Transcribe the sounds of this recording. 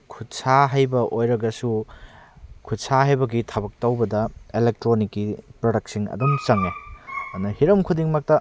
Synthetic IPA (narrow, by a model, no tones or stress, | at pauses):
kʰut̚saɦajbɐʔojɾɐɡɐsu | kʰut̚saɦajbɐɡitʰɐbɐk̚tɐwbɐdɐelek̚tɾonikːipɾodɐk̚siŋɐ̰dumt͡ʃɐŋeɐnɐhiɾɐmkʰudiŋmak̚tɐ